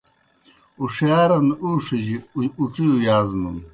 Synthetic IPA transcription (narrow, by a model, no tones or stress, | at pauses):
uʂaːɾɐnuʂiʑiuʈ͡ʂijujaːznun